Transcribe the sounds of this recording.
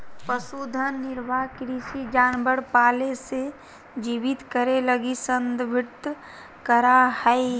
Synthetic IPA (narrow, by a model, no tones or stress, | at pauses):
pəsuːd̪ʱəːɪɾbakɾisid͡ʒaːnbəɽpaːlese | d͡ʒiːʋɪt̪kəɾeləɡisənd̪bʱɪt̪ | kəɾahəi